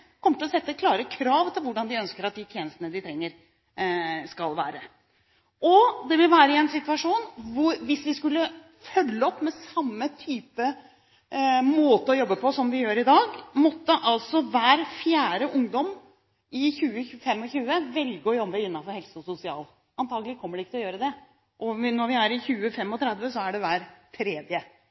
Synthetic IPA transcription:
kʰɔmːətʈ̪ɪlɔsɛt̪ːəkʰlɑːɾəkʰɾɑːʋt̪ʰɪlʋʊɖɑnd̪ɪœnskəɾɑt̪̚d̪ɪt̪ʰjeːnəst̪ənəd̪ɪt̪ʰɾɛŋːəɾ | skɑlʋæ̰ːɾə | ʔɔd̪ɛʋɪlʋæːɾəɪɛnsɪt̪ʉɑʂuːnʋʊɾʋɪsʋɪskʉlːə | fœlːəɔpːmɛsɑmːət̪ʰyːpə | moːt̪əɔjɔbːəpʰɔsɔmʋɪjøːɾɪd̪ɑːɡmɔt̪ːəʔɑlsɔʋæːɾfjæːɾəʔʊŋd̪ɔm | ɪçʉːəfɛmːɔçʉːəʋɛlɡəɔjɔbːəɪnːɑnfɔɾhɛlsəɔsʊsɪɑ̰ːl | ɑnt̪ʰɑːɡəlɪkʰɔmːəɖɛɪkːət̪lɔjøːɾəd̪ɛ | ʔɔnɔɾʋɪæɾɪçʉːəfɛmːɔt̪ʰɾæd̪ʋəsɔæɖɛʋæːɾt̪ʰɾeːd̪jə

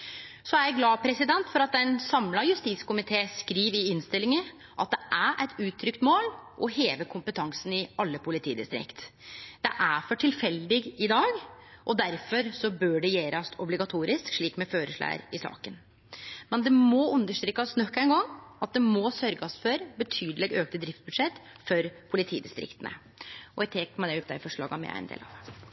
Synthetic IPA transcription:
sɔæɾjæɪɡlɑːpʰɾɛsɪd̪ɛnt̪fɔɾɑt̪̚d̪ɛnsɑmlɑjʉst̪iːt̪skʊmɪt̪ʰeːskɾiːʋɪɪnst̪ɪlːɪŋə | ʔɑt̪̚d̪ɛʔæʔæɪt̪ʰʉːt̪ʰːɾʏkt̪moːlʔɔheːʋəkʰʊmpət̪ʰɑŋsənɪɑlːəpʰʊlɪt̪ʰḭːd̪ɪ̰st̪ɾɪ̰kt̪dd̪̥ɛʔæfɔʈʰɪlfɛld̪ɪɡɪd̪ɑːɡʔɔd̪æɾfɔɾsɔbøːɖɛjeːɾɑsʰɔblɪɡɑt̪ʰuːɾɪskʂɭiːkmɛføːɾəʂɭæ̰ːɾɪsɑ̰ːkən | mɛnd̪ɛmɔʉnd̪əʂt̪ɾiːkːɑsnɔkːæɪnɡɑŋːɑt̪̚d̪ɛmɔsœɾɡɑsfɔɾbət̪ʰyːd̪əlɛɡøːkt̪əd̪ɾɪft̪s̚bʉd̪ʂɛt̪ː | fɔɾpʰʊlɪt̪ʰiːd̪ɪst̪ɾɪ̰kt̪ənə̰ | ɔjæt̪ʰɛːkmɛd̪ɛʊp̚d̪æɾɪfɔʂɭɑ̰ːɡɑmɛ̰æ̰ɪ̰nd̪ḛːlɑ̰ːʋ

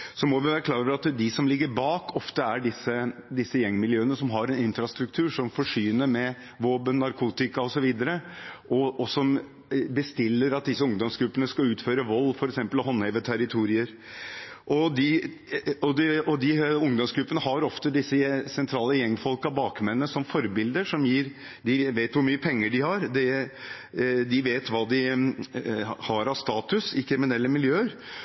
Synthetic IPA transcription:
sɔmɔʋɪʋæːɾəkʰlɑːɾøʋəɾɑt̪d̪ɪsɔmlɪɡːəɾbɑːkʰɔft̪əæɖɪsəd̪ɪsːəjɛŋːmɪljøːənəsɔmɦɑɾɛnɪnfɾɑst̪ɾʉk̚t̪ʰʉːʂɔmfɔʂyːnəɾmɛ | ʋoːbənnːɑɾkʰuːt̪ɪkɑɔsɔʋiːd̪əɾəʔɔɔsɔm | bəst̪ɪlːəɾɑt̪̚d̪ɪsːəʊŋd̪ɔmsɡɾʉpːənəskɑʉːt̪føːɾəʋɔlːfɔɾɛksɛmpəlhɔnːheʋət̪ʰæɾɪt̪ʰuːɾɪəɾ | ʔɔd̪ɪ | ɔd̪ɛɔd̪ɪʊŋd̪ɔmsɡɾʉpːənəɦɑɾɔft̪əd̪ɪsːəsɛnt̪ʰɾɑːləjɛŋːfɔlkɑbɑːkmɛnːnəsɔmfɔɾbɪld̪əʂɔmjiːɾ | d̪ɪʋeːt̪ʋʊɾmyːəpʰɛŋːəɖɪhɑɾd̪ɛ | d̪ɪʋeːt̪ʋɑːd̪ɪ | hɑɾɑʋst̪ɑːt̪ʉsɪkʰɾɪmɪnɛlːəmɪljøːəɾ

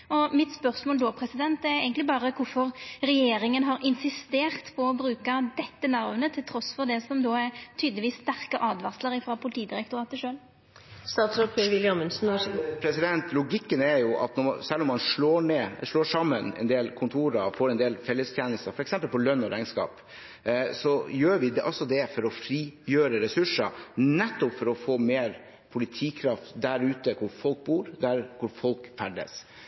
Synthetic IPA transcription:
ɔmɪt̪spœɾsmoːld̪oːpʰɾɛsɪd̪ɛnt̪ɛɾɛ̰ɪɡəŋk̪lɪbɑːɾəkʊɾfɔɾɾɛjeːɾɪŋənɦɑɾʔɪnsɪst̪eːʁt̪pʰɔɔbɾʉːkɑd̪ɛt̪ːənɑʋnət̪ʰɪlt̪ʰɾɔsːfɔɾd̪ɛsɔmd̪oːæɾt̪ʰyːd̪lɪʋiːst̪æɾkəʔɑːd̪ʋɑsləɾɪfɾɑpʰʊlɪt̪ʰiːd̪ɪɾɛkt̪ʊɾɑːt̪əʂøːl | st̪ɑːt̪sɔpʰeʋɪljɑmənsn̩ɔpʰɾɛsɪd̪ɛnt̪lʊɡɪkːənɛɾjʊʔɑ̰t̪nɔsɛlːɔmhɑnʂɭoːɳeːʂloːʂɑmːənɛ̰nd̪eːlkʰʊnt̪ʰuːɾɑfoːɾɛnd̪eːlfɛlːəst̪ʰjeːnəst̪ɑfɔɾɛksɛmpəlpɔlœnːɔɾæɪnskɑ̰ːp | sɔjøːɾʋɪd̪ʔɑsɔd̪ɛfɔɾɔfɾiːjøːɾəɾɛsʉʂənɛt̪ːɔpfɔɾɔfoːmeːɾ | pʰʊlɪt̪ʰiːkʰɾɑft̪d̪æɾʉːt̪əkʰʊɾfɔlk̚buːɾd̪æɾkʰʊɾfɔlkfæɖə̰s

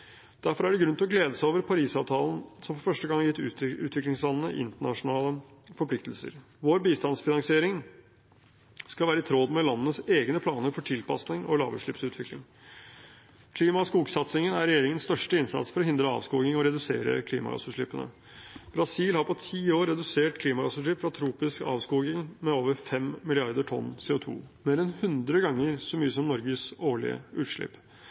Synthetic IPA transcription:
d̪̥æɾfɔɾæɖɛɡɾʉnɪlɔɡleːd̪əsæoːʋəɾpʰɑɾiːsɑːʋt̪ʰɑːln̩sɔmfɔɾfœʂʈəɡɑŋjɪt̪ːʉ̰ːʉːt̪ʰʋɪklɪŋslɑnnəʔɪ̰nt̪əɳɑʂʊnɑːləfɔɾpʰlɪk̚t̪əlsə̰ɾ | ʋoːɾbiːst̪ɑnsfɪnɑŋsɪeːɾɪŋ | skɑʋæːɾəɪt̪ʰɾoːd̪mɛlɑnːənəseːɡnəpʰlɑːnəɾfɔʈʰɪlpɑ̰snɪŋɔ̰lɑ̰ːʋə̰ʂɭɪpsʉːt̪ʰʋɪklɪ̰ŋ | kʰliːmɑskuːɡsɑt̪sɪŋənæɾɛjeːɾɪŋənst̪œʂʈəɪnsɑ̰t̪sfɔɾɔhɪnd̪ɾəɑ̰ːʋskuːɡɪŋɔɾɛd̪ʉseːɾə̰kʰliːmɑ̰ɾɑ̰səʂɭɪpːənə̰ | b̥ɾɑsiːlhɑɾpʰɔt̪ʰiːoːɾːɛd̪ʉseːʈkʰliːmɑɾɑsəʂ̬ɭɪpfɾɑt̪ʰɾuːpɪskɑ̰ːʋskuːɡɪŋmɛoːʋəɾfɛmmɪlɪɑɾd̪əʈʰɔ̰nːsɛːʊt̪ʰṵːmeːɾɛnhʉnd̪ɾəɡɑŋːəɾsɔmyːəsɔmnɔɾɡəsoːɭɪ̰ə̰ʔʉːt̪ʂɭɪ̰p

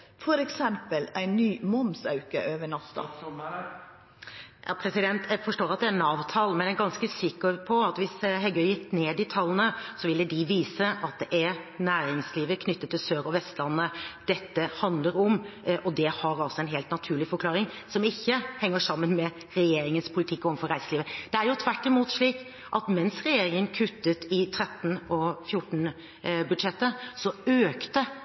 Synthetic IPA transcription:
fɔɾɛksɛmpəlæɪnnyːmɔmsɑʉkə̰ʔøːʋəɳɑst̪ɑ̰ | jɑ̰pʰɾɛsɪd̪ɛnt̪ʰæfɔʂʈoːɾɑt̪̚d̪ɛæɾnɑːʋt̪ʰɑlːmɛnæɡɑnskəsɪkːəpʰɔɑt̪ʋɪsɦɛɡœʏjɪkt̪ːneːd̪ɪt̪ʰɑlːənəsɔʋɪlːəd̪ɪʋiːsəʔɑt̪̚d̪ɛʔæɾnæːɾɪŋsliːʋəkʰnʏt̪ːət̪ʰːɪlsøːɾɔʋɛst̪lɑnːəd̪̥ɛt̪ːəhɑnd̪ləɾɔmʔɔd̪ɛhɑɾɑlsɔɛnɦeːlt̪nɑt̪ʰʉːɭɪfɔɾkʰlɑːɾɪŋ | sɔmɪçːəhɛŋːəʂɑmːənmɛ | ɾɛjeːɾɪŋənspʰʊlɪt̪ʰɪkːɔɔn̩fɔɾæɪsəliːʋəd̪̥ɛæɾjʊt̪ʰʋæʈːɪmuːt̪ʂɭiːk | ʔɑt̪mɛnsɾɛjeːɾɪŋənkʰʉt̪ːət̪ɪt̪ʰɾɛt̪ːn̩ɔfjʊʈn̩ | bʉd̪ʂɛt̪ːəsɔøːkt̪ə

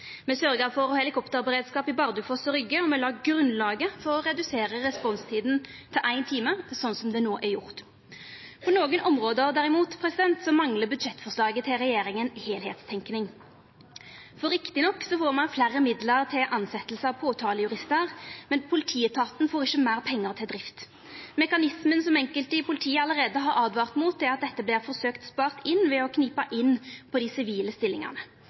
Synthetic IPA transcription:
mɛsœɾɡəfɔʁɔhɛlɪkʰɔpt̪əʁbəʁeːd̪skɑːpɪbɑʁd̪ʉfɔsɔɾʏɡːəɔmɛlɑːɡɡɾʉnlɑːɡəfɔʁɔʁɛd̪ʉseːʁəʁɛspɔnst̪ʰiːd̪n̩ | t̪ʰɪʔæɪnt̪ʰiːməsɔnːsɔmd̪ɛnoːʔæɾjʊʁt̪ | pʰɔnoːɡənʔɔmʁoːd̪əd̪æʁɪmuːt̪pʰʁɛsɪd̪ɛnt̪sɔmɑŋləbʉd̪ʃɛt̪ːfɔʂlɑːɡət̪ʰɪlʁɛjeːɾɪŋənheːlheːt̪st̪ʰɛŋknɪŋ | fɔɾɪkt̪ɪnɔkːsɔfoːʁmɑnflærəmɪd̪ləʁt̪ʰɪlʔɑnsɛt̪əlsəɑʋpʰoːt̪ʰɑːləjʉʁɪst̪əʁmɛnpʰʊlɪt̪ʰiːət̪ʰɑːt̪n̩foːʁɪçːəmæːʁpʰɛŋːəʁt̪ʰɪld̪ʁɪft̪ | mɛkɑnɪsmənsɔmɛŋkəlt̪əɪpʰʊlɪt̪ʰiːəɑləʁeːd̪əɦɑɾɑːd̪ʋɑːʁt̪muːt̪̚d̪ɛɑt̪̚d̪ɛt̪ːəblɪːʁfɔʁsøːkt̪spɑːʁt̪ɪnːʋɛɔkʰniːpəʔɪnːpʰɔd̪ɪsɪʋiːləst̪ɪlːɪ̰ŋɑ̰ʁnə

